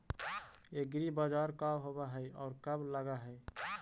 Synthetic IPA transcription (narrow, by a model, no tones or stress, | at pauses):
eɡɾibad͡ʒaɾkabɦobaɦəjɔ̰ːɾkəbləɡaɦəj